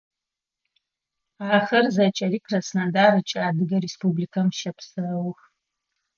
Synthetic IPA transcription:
aχɐrzat͡ʃʼarikʰrɐsnandarat͡ʃʼaːdɨɡɐɾespublikʰamʃɐpʰsɨrɐwx

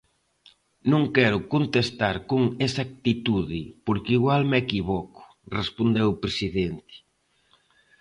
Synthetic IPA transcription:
nõŋkɛɾʊkont̪est̪aɾkoŋesak̚t̪it̪uðɪpoɾkiɣwalmekiβɔkʊ̥ | respond̪ewpɾesiðent̪ɪ̥

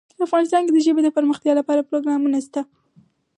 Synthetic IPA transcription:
pəɾafɣɑnɪst̪ɑnked̪əʒəbed̪əpəɾməxt̪jɑlapɑɾapɾoɡɾɑmunast̪a

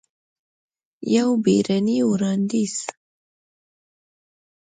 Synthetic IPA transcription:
jawbeɾaniuɾɑnd̪is

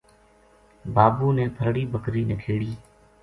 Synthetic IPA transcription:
baːbuːnẽːp̪ʰəɾɽiːbəkɾiːnɪkʰeːɽiː

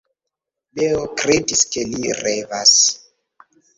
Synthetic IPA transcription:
beokɾediskelirevas

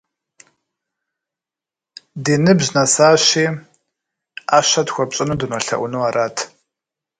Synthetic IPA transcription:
diːnɨbʑnɐsaːɕiː | aːɕɐtxʷɔpɕʼɪnudɨnwɔɬɐ̰ʔʷʊnuaːrʔaːtʰ

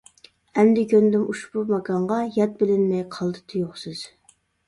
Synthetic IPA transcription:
ɛmd̪ɪkʲønd̪ɪmuʃbumɑɡɑɴʁɑjɑt̪̚bɪlɪnmɛjqʰɑlˠd̪ɨ̥t̪ʰɨjoχsɨz̥

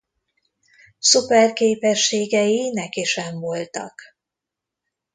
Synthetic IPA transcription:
supɛrkeːpɛʃːeːɡɛjinɛkiʃɛɱvo̞lt̪ɒ̰k

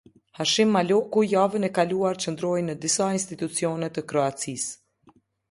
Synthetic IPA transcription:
haʃimːalɔkujavənɛkaluaɾt͡ɕənd̪ɾɔjnəd̪isainst̪it̪ut͡siɔnɛt̪əkɾɔat͡sis

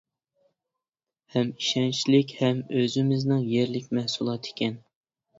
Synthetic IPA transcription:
hɛmi̥ʃɛnt͡ʃʰilɪkʲhɛmøzɪmɪznɪŋjeɾlɪkʲmɛhsulˠɑt̪ʰe̥kʲʰɛn

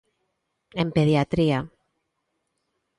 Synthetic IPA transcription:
empeðiat̪ɾia

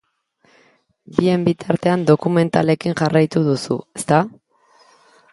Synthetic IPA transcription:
bie̞mbit̪aɾt̪e̞and̪o̞kume̞nt̪ale̞kiŋʝarajt̪uðusṵest̪a

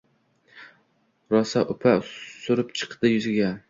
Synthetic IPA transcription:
ɾɒsaʔʊpʰasʊɾɪpt͡ʃʰɨ̥qd̪̥ɪjʊzɪɡʲa

